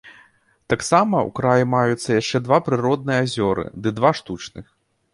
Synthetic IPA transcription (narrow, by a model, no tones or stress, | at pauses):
t̪aksamɐṵkɾajimajut̪sːɐjaʂt͡ʂɛd̪vapɾɨɾɔd̪nɨjɛazʲɔɾɨ̰d̪ɨd̪vaʂt̪ut͡ʂnɨ̰x